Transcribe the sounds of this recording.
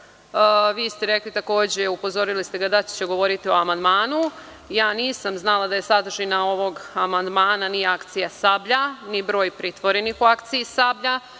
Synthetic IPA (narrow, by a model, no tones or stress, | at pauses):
ʋiːst̪e̞ɾeklit̪ako̞ːd͡ʑeupo̞zo̞ɾilist̪e̞ɡad̪at͡ɕe̥t͡ɕeɡo̞ʋo̞ɾit̪io̞amand̪maːnu | jaːniːsamznalˠad̪aje̞sad̪ɾʒinao̞ʋo̞ɡamand̪maːnaniakt̪sijasabʎanibɾo̞ːjpɾit̪ʋo̞ɾe̞nixuakt̪sijisabʎa